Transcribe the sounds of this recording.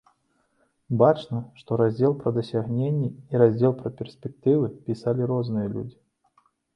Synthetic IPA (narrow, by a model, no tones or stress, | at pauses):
bat͡ʂnɐʂt̪ɔɾazʲd͡zʲelˠpɾɐd̪ɐsʲaɣnʲenʲːiiɾazʲd͡zʲelˠpɾɐpʲɛrsʲpʲɛk̚t̪ɨvɨpʲisalʲiɾɔznɨjɐlʲṵd͡zʲi